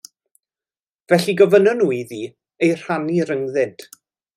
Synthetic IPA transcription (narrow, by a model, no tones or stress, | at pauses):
vɛɬiɡɔvənɔnuːiðiː | ejr̥aniɾəŋðɪd̥